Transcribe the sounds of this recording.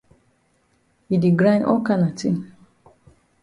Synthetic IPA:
i˨di˨ɡɾa˦nʔɔ˦ka˦na˨ti˦

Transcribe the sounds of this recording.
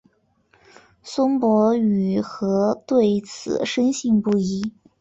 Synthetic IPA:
swə˥ŋpwɔ˧˥y˨˩xɤ˧˥t̪we˥˩ɪt͡sʰɹ̩̰˨˩ʂə˥nɕi˥˧ŋpu˥˩i˥

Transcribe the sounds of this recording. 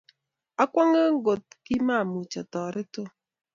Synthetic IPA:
a˦kʷɔ˦ŋə˦ŋ˦ɡo˨t̚kɪ˦ma˦˨mu˨t͡ʃɔ˨tɔː˨ɾʔɪ˦to˦

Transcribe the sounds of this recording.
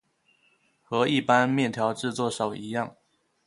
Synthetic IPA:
xɤ˨˦i˥˨pa˦nmjɛ˥˨nt̪ʰjɑ˧˥ʊʈ͡ʂɻ̩˥˧t͡swɔ˥˨ʂɑ˨˩ʊi˨˦jɑ˥˨ŋ

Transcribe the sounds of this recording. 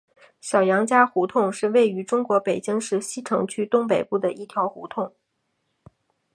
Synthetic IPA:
ɕjɑ˨˩jɑ˧˥ŋt͡ɕja˥xu˧˥t̪ʰʊ˥˧ŋʂɻ̩˥˧we˥˩ɪy˧˥ʈ͡ʂʊ˥ŋkwɔ˧˥pe˨˩ɪt͡ɕi˥ŋʂɻ̩˥˩ɕi˥ʈ͡ʂʰɤ˧˥ŋt͡ɕʰy˥t̪ʊ˥ŋpe˨˩ɪpu˥˩d̪ə˩ʔi˥˩t̪ʰjɑ˧˥ʊxu˧˥t̪ʰʊ˥˩ŋ

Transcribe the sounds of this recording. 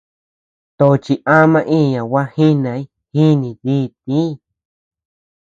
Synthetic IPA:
t̪o˨˧t͡ʃi˧ʔã˦mã˧ʔĩ˦˨ɲã˨wa˦hi˦nã˨˧˦i˦ | hi˦nĩ˨ðiː˦˨t̪̚ĩ˦˧˨

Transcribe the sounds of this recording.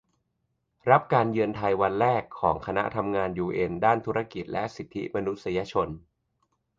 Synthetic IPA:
ɾa˦˥p̚kaː˧njɯ˧ənt̪ʰa˧jwa˧nɾɛː˥˩kʰːɔː˩˦ŋkʰa˧na̰˦˥ʔt̪ʰa˧mŋaː˧njuː˧ʔe˧ndaː˥˩nt̪ʰu˦ɾa˧ki˨˩t̪̚lɛ˦˥ʔsi˨˩t̪ʰːḭ˦˥ma˧nu˦˥t̪̚sa˧ja˧t͡ɕʰo˧n

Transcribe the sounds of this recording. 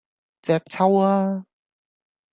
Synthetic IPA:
t͡sɛː˧˥k̚t͡sʰa˥waː˧

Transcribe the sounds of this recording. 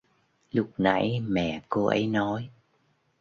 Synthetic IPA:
lʊ˦˥k͡p̚na̰˧˥jmɛ̰˧˩˨ko˧ʔə̰˨˦jnɔ˨˦j

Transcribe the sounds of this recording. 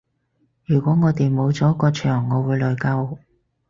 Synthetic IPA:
jyː˨˩kʷɔː˨˥ŋɔː˨˧t̪e˨jmo˨˧wt͡sɔː˨˦˥kːɔː˧t͡ʃʰœː˨˩ŋːɔː˨˧wuː˨˧jlɵ˨jkɐ˧w

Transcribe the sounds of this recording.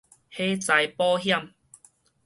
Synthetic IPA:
he˦t͡sa˨˧jpɔː˦ɦja˥˨m

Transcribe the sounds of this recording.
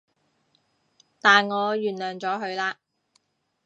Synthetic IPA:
t̪aː˨nŋɔː˨˧jyː˨˩nlœː˨˩ŋt͡sɔː˨˥ɦɵ˨˧ɥlaː˧

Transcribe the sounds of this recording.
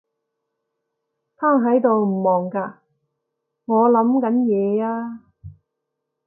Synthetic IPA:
t̪ʰaː˥ŋɦɐ˨˥jt̪o˨wm̩˨˩mɔː˨˩ŋkaː˧ | ŋɔː˨˧lɐ˨˥mkɐ˨˥njɛː˨˧aː˧

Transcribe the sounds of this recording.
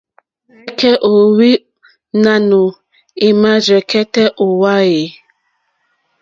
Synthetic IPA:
ɛ˦kɛ˦ʔo˨wi˦ | na˨nu˨ | i˨ma˦d͡ʒɛ˨kɛ˦tɛ˦ʔo˨wa˦je˨

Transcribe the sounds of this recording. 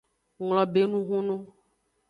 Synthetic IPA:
ŋlɔ̃˨be˨˦nũ˦ɦũ˦nũ˦

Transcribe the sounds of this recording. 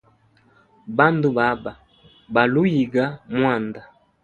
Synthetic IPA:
ba˦ndu˨ba˨˦ba˨ | ba˨lu˦ji˨ɡa˦mwa˦˨nda˨

